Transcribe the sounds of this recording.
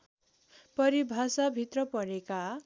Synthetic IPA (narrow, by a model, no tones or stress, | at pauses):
pʌɾibʱasabʱit̪rʌpʌɾeka